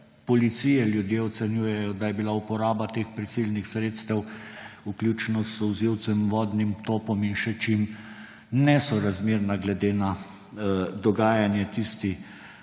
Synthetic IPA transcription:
pɔlit̪sijɛljud̪jeɔt̪sɛnjuːjɛjɔd̪ajɛbilaupɔɾaːbat̪eːxpɾisilʲnixsɾeːt̪st̪ɛwukljuːt͡ʃnɔzɔwziw̪sɛmʋɔːd̪nimt̪oːpɔminʃɛt͡ʃim | nɛsɔɾazmeːɾnaɡlɛd̪eːna | d̪ɔɡaːjanjɛt̪ist̪i

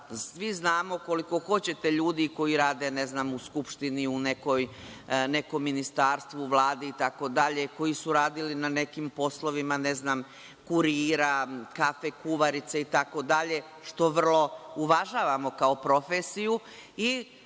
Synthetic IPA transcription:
sʋiznaːmo̞ko̞liko̞xo̞t͡ɕe̞t̪e̞ʎuːd̪iko̞iɾaːd̪e̞ne̞znamuskupʃt̪iniune̞ko̞j | ne̞komːinist̪aːɾst̪ʋuʋlˠaːd̪iit̪ako̞d̪aʎeko̞jisuɾaːd̪ilinane̞kimpo̞slˠo̞ʋimaneznam | kuɾiːɾakafekuʋaɾit̪seit̪ako̞d̪aʎe | ʃt̪o̞ʋr̩lˠo̞uʋaʒaːʋamo̞kaopɾo̞feːsiju | i

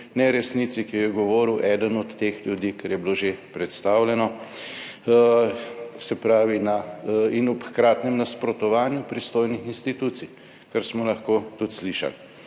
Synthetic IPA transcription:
nɛɾɛsniːt̪sikijɛɡɔʋɔːɾiwʔɛːd̪ənɔt̪ːexljud̪iːkɛɾjɛbiloʒepɾɛt̪st̪aːwlʲɛnɔ | sɛpɾaːʋinainupxkɾaːt̪nɛmnaspɾɔt̪ɔʋaːnjupɾist̪oːjnixinst̪it̪ut̪sij | kaɾsmɔlɐxkoːt̪ut̪sliʃa̰l

